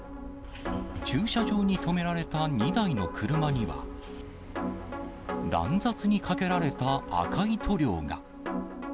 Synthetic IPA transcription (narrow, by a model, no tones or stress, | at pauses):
t͡ɕɨːɕaʑo̞ːɲ̟it̪o̞me̞ɾaɾe̞t̪aɲ̟id̪aino̞kʰɯɾɯ̟maɲ̟iβa̰ | ɾã̰nd͡zat͡sɨɲ̟ikʰake̞ɾaɾe̞t̪a̰ːkʰait̪ʰo̞ɾʲo̞ːɡa̰